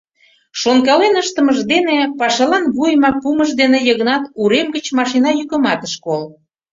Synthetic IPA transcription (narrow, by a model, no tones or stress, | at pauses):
ʃonkɑlenəʃt̪ə̆məʒd̪enepɑʃɑlɑnβujmɑpuməʒd̪enejəɣnɑt̪uɾemɡət͡ɕmɑʃinɑjykə̆mɑt̪əʃkol